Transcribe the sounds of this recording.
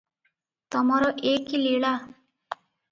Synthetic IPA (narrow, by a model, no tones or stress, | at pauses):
t̪ʌmʌɾʌʔekiliɽa